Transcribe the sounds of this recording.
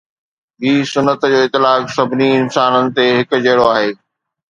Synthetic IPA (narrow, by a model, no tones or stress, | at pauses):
ɦiːsʊnːət̪d͡ʑoːɪt̪ːɪlaːksɐbʱɪniɪnsaːnənɪ̆t̪eɦɪk̆d͡ʑeːɽoaːɦeː